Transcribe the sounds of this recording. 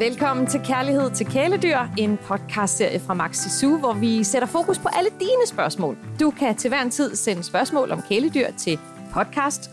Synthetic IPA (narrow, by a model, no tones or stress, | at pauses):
ʋelkʰɒ̽m̰n̩t͡sʰe̝lkʰæɐlihe̝ð̞̰ˠt͡sʰe̝lkʰeːləd̥yɐ̰e̝npʰɒ̽d̥̚kʰɑ̈sd̥se̝ɐ̰jəfʁɑ̈mɑ̈ɡ̥sesuʋɒʋiseɾ̥ɐfo̝ːkʰuspʰɒ̽ʔæləd̥iːnəsb̥ɶɐsmɔ̰ːld̥ukʰæt͡sʰe̝ʋæɐ̰nt͡sʰið̰ˠsenəsb̥ɶɐsmɔ̰̽ːlʔɒ̽mkʰeləd̥yɐ̰t͡sʰe̝ | pʰɒ̽d̥̚kʰɑ̈sd̥